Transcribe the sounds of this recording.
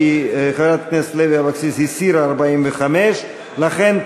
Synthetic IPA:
χevɾat̪̚knesleviavaksishisiɾaːɾbaimveχameʃ | laχen

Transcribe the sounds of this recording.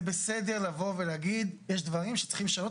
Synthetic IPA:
besed̪eʁlavo̞veleaɡid̪jeʃd̪vaʁimʃe̥t͡sχimʃano

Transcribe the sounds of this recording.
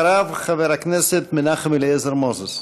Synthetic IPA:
ɾavχaveɾakneset̪mɪnaχmileezeɾmozos

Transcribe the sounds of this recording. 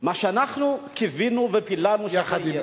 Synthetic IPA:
maʃeanaχnukivinuvepilanuʃaa

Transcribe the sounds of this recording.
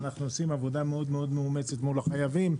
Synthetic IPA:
naχnuosimavo̞d̪ameo̞d̪me̞o̞d̪meume̞t͡set̪mulaχajavim

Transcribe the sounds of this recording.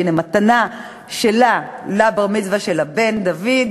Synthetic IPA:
nemat̪ana | ʃelalabaʁmit͡svaʃelabe̞nd̪avid̪

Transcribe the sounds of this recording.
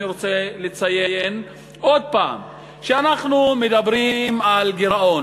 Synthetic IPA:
iʁot͡selet͡saje̞je̞n | ʔo̞d̪̚pa̰ːm | ʃeanaχnumed̪abʁimalɡeɾaʔo̞n

